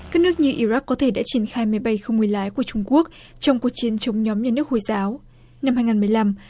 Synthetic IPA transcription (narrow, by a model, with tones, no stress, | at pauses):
kaː˦˥k̚nɨ˦˥ək̚ɲɨ˧ʔi˧ɾa˦˥kːɔ˨˦t̪ʰe˧˩ɗa̰ː˧˥t͡ɕi˧˩ənxaː˧jma˨˦jɓa˧jxə˧wŋ͡mmɨ˨˩jlaː˨˦jku˧˩ət͡ɕʊ˧ŋ͡mku˦˥ək̚ | t͡ɕɔ˧wŋ͡mku˨˩ək̚t͡ɕi˨˦ənt͡ɕə˨˦wŋ͡mɲɔ˨˦mɲaː˧nɨ˦˥ək̚ho˧˩jzaː˨˦w | na˧mha˧jŋaː˨˩mɨ˨˩əjla˧m